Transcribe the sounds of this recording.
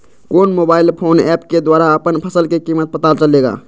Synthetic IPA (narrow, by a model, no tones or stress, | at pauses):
koːnmobaːɪlpʰoːnɛːpked̪waːɾaəpənpʰəsəlkekimət̪̚bət̪alt͡ʃəleɡa̰ː